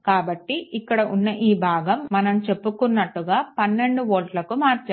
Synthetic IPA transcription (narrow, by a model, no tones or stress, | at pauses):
kaːbɐʈːiikːɐɽɐʔunːɐʔiːbʱaːɡɐmːɐnɐmt͡ʃe̞pːukunːɐʈːuɡaːpɐnːe̞ɳɖuʋoːʈlɐkumaːɾt͡ʃː